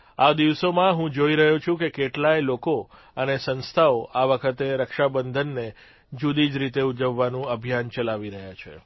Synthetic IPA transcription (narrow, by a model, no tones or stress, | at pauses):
ad̪iʋsomãɦũd͡ʒoiɾəɦũt͡ʃʰũkekeʈlajloko | ənesə̃nst̪ʰaoʔaʋəkʰət̪eɾəkʃabənd̪ʱənːe | d͡ʒud̪id͡ʒɾit̪eud͡ʒəʋːanũəbʱijant͡ʃəlaʋiɾəɦjat͡ʃʰe